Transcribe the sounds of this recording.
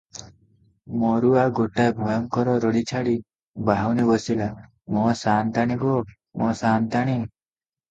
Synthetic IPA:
mɔɾuaɡoʈabʱɔjɔŋkɔɾɔɾɔɽit͡ʃʰaɽi | baɦawnibɔsila | mɔsant̪aɽ̃ibɔ | mɔsant̪aɽ̃i

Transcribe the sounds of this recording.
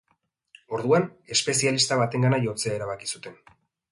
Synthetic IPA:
o̞ɾðuane̞spe̞sialist̪aβat̪e̞ŋɡanaʝo̞t͡se̞aeɾaβ̞akisut̪e̞n

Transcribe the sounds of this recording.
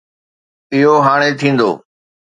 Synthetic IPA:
ɪɦoɦaːɽ̃et̪ʰĩːn̆d̪o̰ː

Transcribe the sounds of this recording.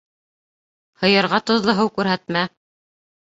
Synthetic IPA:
hɤ̆jɤ̆ɾʁɑt̪ŏðlˠɤ̆ɦɤwkʉɾɦæt̪mæ

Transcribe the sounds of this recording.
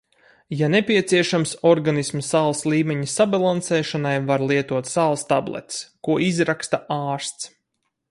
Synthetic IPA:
janepʲiɛt̪siɛʃamsɔɾɡanismsaːlˠslˠiːmeɲisabalˠansɛːʃanajvaɾlˠiɛt̪uɔt̪saːlˠst̪ablˠɛ̰t̪skuɔizɾakst̪aʔaːɾst̪s

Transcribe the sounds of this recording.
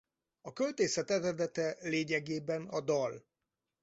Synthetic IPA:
ɒkø̞lt̪eːsɛt̪ɛɾɛd̪ɛt̪ɛleːɲɛɡeːbɛnɒd̪ɒl

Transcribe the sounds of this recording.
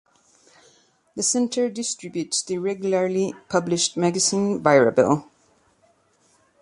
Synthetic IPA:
ðəsɛ̃ntʰə˞dɪstɹ̥ɪbjʉtsðɨɹɛɡjl̩ə˞lipʰʌblɪʃt̚mæɡɨsĩnvaɪɹə̰bɪ̰lˠ

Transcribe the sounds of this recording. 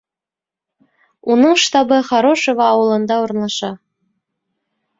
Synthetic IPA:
unɤɴʃt̪ɑbɤ̆χɑɾoʃɤβɑːwɤ̆lˠɤ̆nd̪ɑurnlˠɑʃɑ

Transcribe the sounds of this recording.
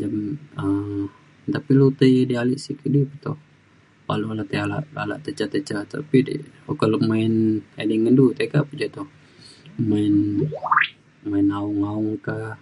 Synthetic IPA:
d͡ʒamə | t̪apilut̪əjdialiʔsikədupət̪ɔ | pa̰lualat̪əjala̰ʔa̰la̰ʔt̪ət͡ʃat̪ət͡ʃat̪a̰pidə̰okəlumaɪnediŋədut̪əkapud͡ʒat̪ɔh | maɪn | mainaʊŋaʊŋka

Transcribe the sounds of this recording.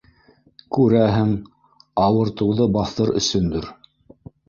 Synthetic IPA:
kʉɾæɦɘŋ | ɑwɤ̆ɾt̪ɤ̆wðɤbɑθɤɾɵ̰̆sɵnd̪ɵɾ

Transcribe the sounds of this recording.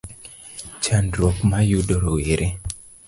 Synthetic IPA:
t͡ʃandɾokmajudoɾoweɾʔe

